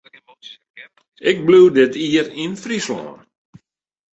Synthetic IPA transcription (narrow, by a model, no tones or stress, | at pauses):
ɪk̚bluwdɪtiərinfrislɔ̰ːn